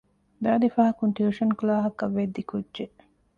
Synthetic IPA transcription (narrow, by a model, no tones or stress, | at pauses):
d̪aːd̪ifaɦɐkuɳʈjuʃɐnkulaːɦɐkɐʋːed̪ːikudːʒe